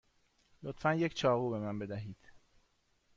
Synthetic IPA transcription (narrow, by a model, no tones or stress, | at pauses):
lot̪fænjecʰt͡ʃʰɒːɣuːbe̞mænbe̞d̪æɦiːd̪̥